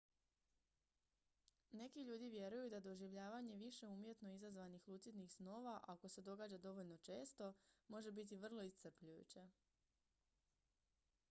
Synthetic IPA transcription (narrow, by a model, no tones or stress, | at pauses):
ne̞kiʎuːd̪iʋje̞ɾujud̪ad̪o̞ʒiʋʎaːʋaɲe̞ʋiʃeuːmje̞t̪no̞izazʋanixlˠuːt̪sit̪nixsno̞ːʋaʔako̞se̞d̪o̞ɡaːd͡ʑad̪o̞ʋo̞ʎno̞t͡ʃe̞ːst̪o̞mo̞ʒe̞bit̪̬iʋr̩lˠo̞ist̪r̩pʎujṵt͡ɕe